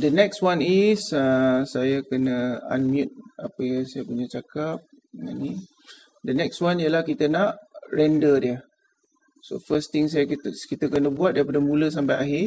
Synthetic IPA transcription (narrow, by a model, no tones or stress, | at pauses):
dənɛkswanisasajakənəa̰nmjũt̪̚a̰pəjaŋsajapuɲat͡ʃakap̚ | nani | dənɛkswanijəlahkit̪ənaʔrɛndədiə | so̰fəst̪iŋs̬ajakit̪əkənəbuat̪̚daɾipadamuləs̬ampajaɦɪ